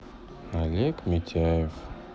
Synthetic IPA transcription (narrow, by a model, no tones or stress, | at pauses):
alʲekmʲit̪ʲʰajef